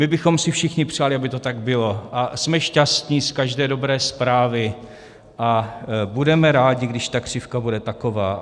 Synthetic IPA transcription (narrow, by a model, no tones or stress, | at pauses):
mɪbɪxo̞msɪfʃɪxɲɪpr̝̥aːlɪʔabɪt̪o̞t̪aɡbɪlo̞ʔasmɛʃcast̪ɲiskaʒdɛːdo̞bɾɛːspɾaːvɪ | ʔabudɛmɛɾaːɟɪɡdɪʃt̪akr̝̥ɪfkabudɛt̪ako̞vaː